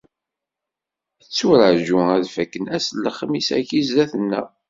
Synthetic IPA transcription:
θət͡sːʊɾəʕʒuæðfækːənæslːəχmisæ̰çizæθənːæ

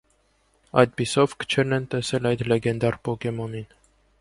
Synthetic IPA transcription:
ɑ̰jd̪̚bisɔvkʰə̥t͡ʃʰɛɾnɛnt̪ɛsɛlɑjd̪lɛɡɛnd̪ɑɾpɔkɛmɔnin

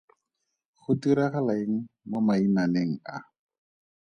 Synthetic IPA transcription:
χʊtiɾaχalaɪŋ̩mʊmainaneŋ̩a̰

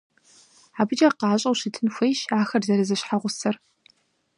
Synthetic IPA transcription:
aːbɨd͡ʒɐqɑːɕʼɐwʃɪtʰɨnxʷejʃaːxɐrzɐɾɨzɨɕħaʁʷʊsɐr

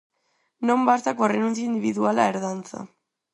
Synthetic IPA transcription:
no̞mbaɾt̪akorenunsjaind̪iβiðuala̰eɾðant͡sa̰

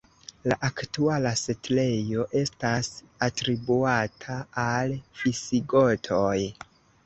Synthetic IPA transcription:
laʔaktualasetle̞jo̞ʔe̞stas | atɾibuatʰaːlfisiɡo̞tʰoj

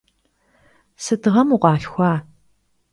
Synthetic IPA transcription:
sɨtɨʁɐmuqʷɑːɬxʷɑː

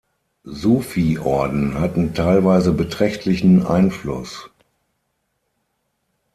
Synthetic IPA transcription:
zuːfiʔɔɐdn̩hatn̩tʰaɪlvaɪzəbətʁ̥ɛçtʰlɪçn̩ʔa̰ɪnflʊ̰s

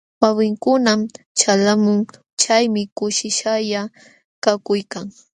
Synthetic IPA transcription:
wawɪŋkʊnam | t͡ʃalamʊŋ | t͡ʃajmɪkʊʃɪʃaja | kakʊjkaŋ

